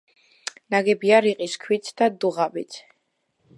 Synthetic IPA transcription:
naɡɛbiaɾiqʼiskʰwit̪sʰd̪ad̪uʁabit̪ʰ

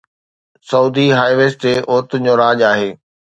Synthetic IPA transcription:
sɐuːd̪iɦaːjʋeːsʈeːʔʊːɾt̪d͡ʑoːɾaːʄaːɦeː

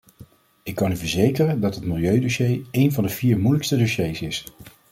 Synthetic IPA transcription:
ɪkːɑnyvəɹzejkərəndɑtɦətmɪlˠjøɥdoʃejejnvɑndəviːɹmujləkstədoʃejsɪs

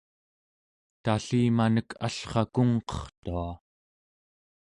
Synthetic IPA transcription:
t̪aɬiːmanəkʰaɬχɑkuŋqʌ̥χt̪ua

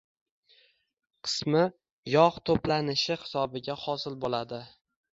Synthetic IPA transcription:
qʰɨ̥smɪ | jɒqt̪ʰoplanɪʃɪhɪ̥sɒbɪɡʲahɒsɪlbolad̪ɪ

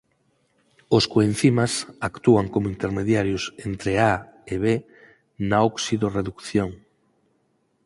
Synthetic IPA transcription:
oskoen̟θimasakt̪uaŋkomoint̪eɾmeðjaɾjʊsent̪ɾeaeβe | naoksiðoreðukθjoŋ

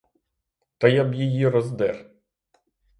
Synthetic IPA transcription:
t̪ɐjɐbjijiɾɔzd̪ɛr

